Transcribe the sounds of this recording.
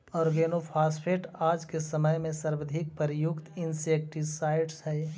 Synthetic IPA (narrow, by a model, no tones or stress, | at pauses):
ɔːɾɡeːnopʰaːspʰeːʈaːd͡ʒkesəməjmẽsəɾbəd̪ʱɪk̚pəɾɪjʊkt̪ɪnseːk̚ʈisaːɪɖshɛː